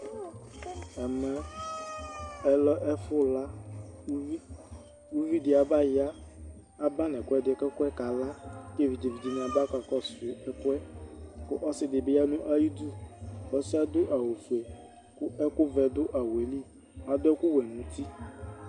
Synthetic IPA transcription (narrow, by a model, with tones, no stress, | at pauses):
ɛ˨mɛ˦ | ɛ˨lɔ˦ʔɛ˦fʊ˦la˦u˦i˦ | u˦vi˦dɪ˨a˨ba˦jɪ˦a˦ | a˦ba˦nɛ˨kʷɛ˦dɪ˨ɛ˨kɛ˦kʷɛ˦ka˨la˦ke˦vi˨d͡ʒe˨vi˨d͡ʒi˨ñ˨a˨ba˦ka˨kɔ˦sʊ˨ɛ˦kwɛ˦kʊ˦ʔɔ˦sɪ˨dɪ˨bɪ˦ja˦nʊ̃˦ʔa˦ji˦du˦˨ɔ˨sɪ˦a˦dʊ˦ʔa˨wo˨fu˨e˨ | kʊ˦ʔɛ˦kʊ˦vɛ˨dʊ˦ʔa˨we˨li˦˨ | a˨dʊ˦ɛ˦kʊ˦wɛ˨nʊ̃˨˦ti˦